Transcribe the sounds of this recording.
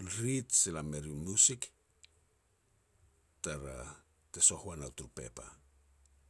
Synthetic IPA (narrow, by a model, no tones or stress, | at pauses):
ɾitsilameɾinusik | taɾa̰ | teso̞huanawtuɾpe̞̰pa̰